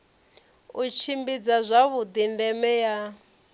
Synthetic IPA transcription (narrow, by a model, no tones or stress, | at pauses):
ut͡ʃʰimbid͡zazʷaβud̪indɛmɛja